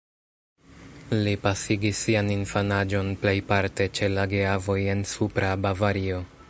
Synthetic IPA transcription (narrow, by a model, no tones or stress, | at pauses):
lipasiɡisːianinfanad͡ʒo̞nple̞jpaɾte̞t͡ʃe̞laɡeavo̞je̞nsupɾabavaɾio̞